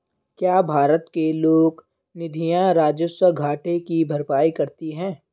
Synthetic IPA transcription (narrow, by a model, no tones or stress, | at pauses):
kjaːbʱaːɾət̪keloːɡ | nɪd̪ʱijãɾaːd͡ʒəswəɡʱaːʈekibʱɐɾpaːikɐɾt̪iɦɛ̃ː